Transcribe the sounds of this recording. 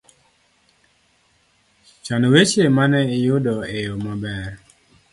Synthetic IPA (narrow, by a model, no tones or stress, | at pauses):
t͡ʃanwet͡ʃemanɛɪjʊdɔejomabɛr